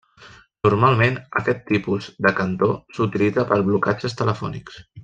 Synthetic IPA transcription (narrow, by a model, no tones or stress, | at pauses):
nurmalˠmenə̰kɛt̪ːipuzd̪əkənt̪osut̪ilid͡zəpəɾβlukad͡ʒəst̪ələfɔniks